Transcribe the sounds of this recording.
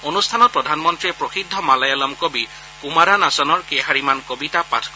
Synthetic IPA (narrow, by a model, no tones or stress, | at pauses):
onustʰanɔt̚pɹɔdʱanmɔntɹiɛpɹoxidʱːɔmalajalɔmkobi | kumaɾanasɔnɔɹkɛɦaɹimankobitapa̰tʰk